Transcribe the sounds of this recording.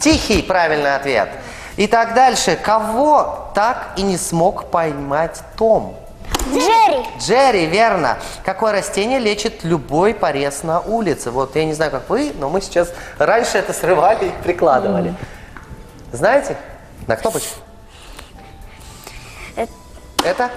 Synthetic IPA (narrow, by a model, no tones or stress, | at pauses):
tʲixʲɪjpɾavʲɪlʲnɨɐt̪vʲe̞̰t̪ | ɪt̪aɡd̪alʲʂɨkɐvo̞t̪akinʲɪsmo̞kpɐjmatʲt̪om | ɾʲɪdʐɛɾʲɪvʲe̞rnə̰kɐko̞jəɾɐsʲtʲenʲɪjəlʲet͡ɕɪt̪lʲʊbo̞jpɐɾʲe̞snɐʔulʲɪt̪sɨvo̞t̪janʲɪznajʊkakvɨno̞mɨsʲɪ̥t͡ɕasranʲʂɨɛt̪əsrɨvalʲɪipɾʲɪklˠad̪ɨvəlʲɪ | znajɪtʲɪ | nɐkno̞pət͡ɕk | ɛt̪ə